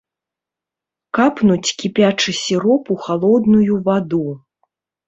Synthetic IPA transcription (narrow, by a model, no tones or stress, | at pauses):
kapnut͡sʲkʲipʲat͡ʂɨsʲiɾɔpuxalˠɔd̪nujuvad̪u